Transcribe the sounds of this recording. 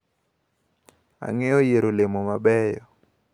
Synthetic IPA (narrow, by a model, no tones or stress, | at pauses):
a̰ŋɛojeɾolemomabɛjɔ